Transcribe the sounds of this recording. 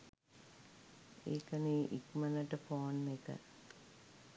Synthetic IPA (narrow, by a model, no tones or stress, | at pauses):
ḛːkəniːʔikmənəʈəpoːnːekə̰